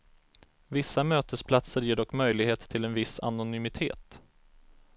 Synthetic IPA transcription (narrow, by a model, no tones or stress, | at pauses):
vɪsːamøːt̪əspʰlat̪səɾjeːɖɔkːmœjlɪɡheːt̪ʰːɪlɛnvɪsa̰nʊnʏmɪt̪ʰḛːt̪